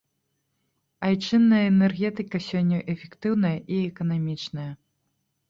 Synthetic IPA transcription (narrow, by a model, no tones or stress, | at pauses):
ajt͡ʂɨnːɐjɐɛnɛrɣʲɛt̪ɨkɐsʲɔnʲːɐʔɛfʲɛkt̪ɨwn̪ɐjɐʔiɛkɐnamʲit͡ʂnɐjɐ